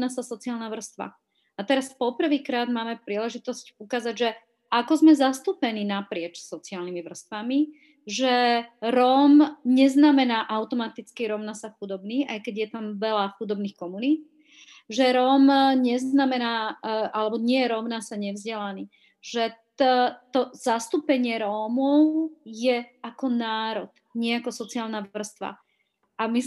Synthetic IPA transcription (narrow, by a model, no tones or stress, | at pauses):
nasasɔt͡siaːlnaʋr̩st̪ʋa̰ | at̪ɛɾaspɔpr̩ʋiːkɾaːd̪maːmɛpɾiːlɛʒit̪ɔscukaːzaɟʒɛ | ʔakɔzmɛzast̪upɛniːnapɾɪɛt͡ʃsɔt͡siaːlnimiʋr̩st̪ʋami | ʒɛɾɔːmɲɛznamɛnaːʔaʊt̪ɔmat̪it͡skiɾɔʊnasaxud̪ɔbniːʔa̰jkɛɟjɛt̪amʋɛlaxud̪ɔbniːxkɔmunit̪̚ | ʒɛɾɔːmɲɛznamɛnaːʔalɛbɔɲɪɛjɛɾɔʊnasaɲɛvzɟɛlaniː | ʒ̥ɛt̪t̪ɔzast̪upɛɲɪɛɾɔːmɔʊjɛakɔnaːɾɔd̪ | ɲɪɛakɔsɔt͡siaːlˠnaʋr̩st̪ʋa̰ | ʔami